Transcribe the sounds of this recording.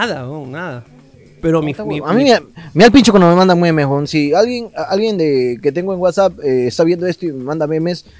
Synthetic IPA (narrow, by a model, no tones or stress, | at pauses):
aðaonaða | peɾomiamĩmemealpint͡ʃokwand̪ome̞mãnd̪amwimeonsialɣjeŋalɣjend̪eket̪̬e̞ŋɡoeŋɡwat̪sap̚eːst̪aβje̞nd̪oest̪oimemãnd̪amemes